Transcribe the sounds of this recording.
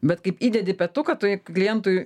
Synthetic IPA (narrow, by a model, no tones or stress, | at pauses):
bʲɛt̪kɐɪpiːd̪ʲɛd̪ʲɪpʲɛt̪ʊkɐt̪oklʲɪjɛnt̪ʊj